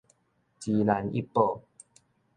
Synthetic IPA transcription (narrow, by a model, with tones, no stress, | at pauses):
t͡ɕi˧la˧nḭ˦pːo˧˩